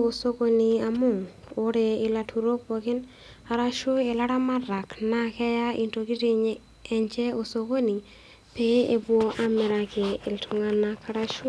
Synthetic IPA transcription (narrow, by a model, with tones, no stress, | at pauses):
o˨so˦ko˦ni˨a˨mʊ˦˨ŋ | o˦ɾe˨ɪ˨la˨tʰu˨ɾo˦po˨˧kɪ˦n | a˨ɾa˦ʃu˦e˨la˦ɾa˦ma˦ra˨kna˦kɛ˦ja˦i˨nto˨ki˦te˦ɲ | ɛ˨ɲt͡ʃɛ˦o˨so˧ko˦ni˨ | pe˦e˨bwo˨ʔa˦mɪ˨ɾa˨ke˨ɪ˨ltʰu˨ŋa˦na˦ka˦ɾa˦ʃu˦